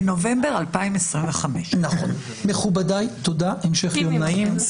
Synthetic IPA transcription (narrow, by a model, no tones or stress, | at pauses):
no̞vembeʁalpaimesʁimveχameʃnaχo̰n | me̞χubadajt̪o̞daʔemʃeχomnaim